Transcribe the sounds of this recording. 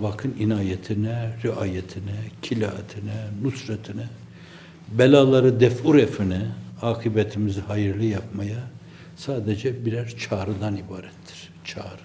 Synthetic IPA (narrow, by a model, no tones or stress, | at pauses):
bakʰɯninaːjɛt̪ʰinɛɾiaːjɛt̪ʰinɛcʰilʲaat̪ʰinɛnusɾɛt̪ʰinɛ | bɛlʲaːlˠaɾɯd̪ɛfuɾɛfinɛaːkʰibɛt̪ʰimizihajɯɾlˠɯjap̚maja | saːd̪ed͡ʒɛbiɾæɾt͡ʃʰaːɾɯd̪anibaːɾɛt̪ʰːi̥ɾ̥ | t͡ʃʰaːɾɯ